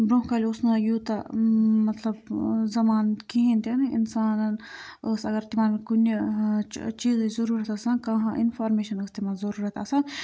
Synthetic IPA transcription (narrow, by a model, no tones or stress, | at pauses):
bɾõɦkaːliʊsnãjuːt̪ɐmɐt̪lɐbzɐmaːnkiɦẽːnd̪anɐɪ̰nsaːnɐn | əsɐɡɐɾt̪imãːnkun | t͡ʃiːzizɐɾuːɾɐt̪ɐsãːkɐɦãʔɪnfʰaːɾmeːʃɐnəst̪imãzɐɾuːɾɐt̪ɐsãn